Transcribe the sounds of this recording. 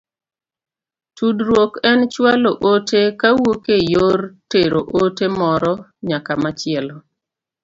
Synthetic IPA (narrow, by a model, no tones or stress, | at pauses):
tʰudɾwokɛnt͡ʃwaloʔotekawokejorteɾoʔotemɔɾɔɲakamat͡ʃɪɛlɔ